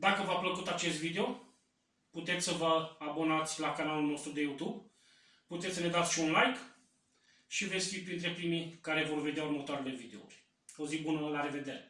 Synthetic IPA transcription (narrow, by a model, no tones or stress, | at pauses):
d̪akəvapləkut̪at͡ʃe̞st̪vid̪eo̞ | put̪e̞t̪sʲsəvəabo̞nat̪sʲlakanalulno̞st̪ɾud̪e̞jut̪ub | put̪esʲsəne̞d̪at̪sʲʃiunlajk | ʃivesʲfit̪̚pɾint̪ɾe̞pɾimikaɾe̞vo̞rve̞d̪jaurmət̪oaɾele̞vid̪e̞̰ṵrʲ | ozik̚bunəlaɾe̞ve̞d̪e̞ɾe